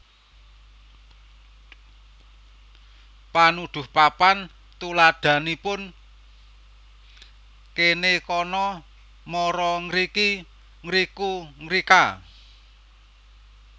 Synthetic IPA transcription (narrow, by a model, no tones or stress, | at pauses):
panud̪̥ʊ̤hpapan | t̪ulad̪̥ä̤nipʊn | kenekɔnɔ | mɔɾɔŋɾiki | ŋɾikuŋɾika